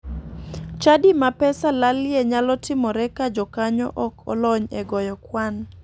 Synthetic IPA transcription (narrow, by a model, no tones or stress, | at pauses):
t͡ʃadimapɛsalaljeɲalɔtɪmɔɾɛkad͡ʒɔkaɲɔ̰ʔɔkɔ̰lɔɲɛɡɔjɔkwan